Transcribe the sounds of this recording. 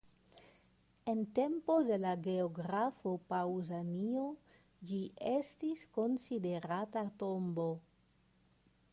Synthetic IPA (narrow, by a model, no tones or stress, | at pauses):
e̞nte̞mpo̞de̞laɡe̞oɡɾafo̞pawzanio | d͡ʒiʔestisko̞nside̞ɾatato̞mbo̞